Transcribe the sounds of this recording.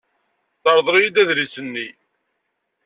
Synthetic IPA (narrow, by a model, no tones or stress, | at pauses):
θɑɾˤðˤɾijid̪æðlisənːi